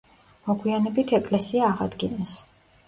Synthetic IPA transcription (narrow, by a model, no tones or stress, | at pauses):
mɔɡwianɛbit̪ʰɛkʼlɛsiaːʁa̰d̪ɡinɛs